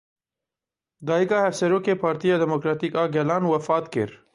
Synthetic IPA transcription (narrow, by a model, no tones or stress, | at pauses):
d̪ɑːiɡɑhɐfseɾokepɑːɾt̪ijad̪emokɾɑːt̪ikɑɡelɑːnwɐfɑːt̪kḛɾ